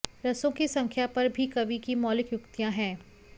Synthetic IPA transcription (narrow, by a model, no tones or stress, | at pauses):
ɾɐsõkisɐ̃ŋkʰjapɐɾbʱikɐbikimɔːlɪkjʊkt̪ijãɦɛ̃ː